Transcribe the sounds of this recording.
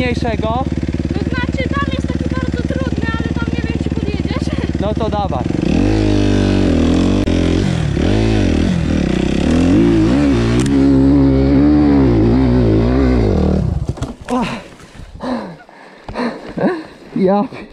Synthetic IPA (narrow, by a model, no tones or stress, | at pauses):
ejʂɛɡɔɛzmat͡ɕɛd̪aljɛst̪ɛzɔbaɾd̪zɔt̪ɾud̪nɛalɛt̪amɲɛbɛɲd͡ʑɛpɔvʲjɛd͡ʑɛt͡ɕnɔt̪ɔd̪ava̰s | a | jap